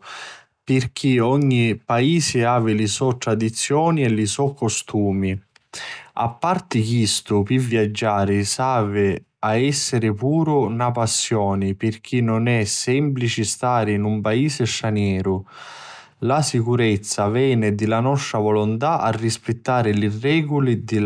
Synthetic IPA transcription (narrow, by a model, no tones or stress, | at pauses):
pɪrk̟ʰiɔɲːipaiːsɪaːvɪlisɔt̪ːɾad̪it̪sːjɔːniɛlisɔkːost̪ʰuːmi | a̰pːart̪ɪkist̪ʊpivːjad͡ʒːaːɾisaːvɪ | aɛsːɪɾɪpuːɾʊnapasːjɔːnipɪrk̟ʰinːʊnɛsɛmplit͡ʃist̪aːɾɪinumpaiːsɪst̪ɾanjɛːɾʊ | lasikuɾɛt̪sːavɛːnɪd̪ɪlanɔst̪ɾavɔlʊnt̪aʔa̰rːispɪt̪ːaːɾɪlirɛːɡʊlid̪ɪ